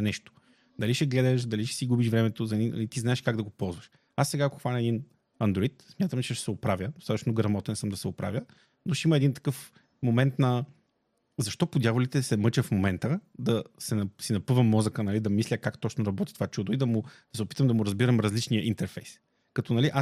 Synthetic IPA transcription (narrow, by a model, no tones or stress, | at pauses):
ɐnɛʃt̪o̥ | d̪ɐliʃɛɡlɛd̪ɐʃ̬d̪ɐliʃɛ̥siɡubiʃvɾɛmɛt̪ozɐninɐ̰lit̪iznaɛʃkaɡd̪ɐɡopɔlˠzvɐʃ | asːɛɡaːkoxvanʲɐɛd̪in | ɐnd̪ɾoit̪smʲat̪əmt͡ʃɛʃɛsɛʊpɾavʲjəd̪ost̪at̪ət͡ʃnoɡɾɐmɔt̪ɛnsəmd̪ɐsɛʊpɾa̰vʲjə | noʃimɐɛd̪int̪ɐ̥kɤf | momɛnt̪nɐ | zɐʃt̪ɔpod̪ʲjavolit̪ɛsɛmɤt͡ʃəfmomɛnt̪əd̪ɐsɛnɐsinɐpɤvəmːɔzəkənɐlid̪ɐmislʲəkakt̪ɔt͡ʃnoɾɐbɔt̪i̥t̪ovat͡ʃud̪oid̪ɐmʊd̪̥ɐsɛʊpi̥t̪əmd̪ɐmʊɾɐzbiɾəmɾɐzlit͡ʃnijəʔint̪ɛɾfɛjs | kɐt̪ɔnɐliʔa